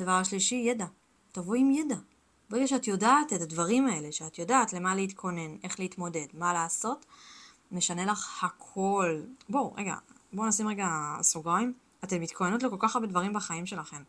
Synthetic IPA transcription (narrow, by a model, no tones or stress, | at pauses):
d̪avaʁaʃliʃijeda | tavoimjeda | beɡʃeatjo̞daːtetadvaʁimae̞le̞ʃeat̪jo̞daːtle̞maleit̪kʰo̞ne̞ne̞χleitmo̞de̞dmalaːso̞t | me̞ʃane̞laχhakʰo̞lboʁeɡa̰bonasimʁeɡasuɡʁaim | atemit̪kʰojenut̬lokolkaχabedvaʁ̞imbaχaimʃe̞laχe̞m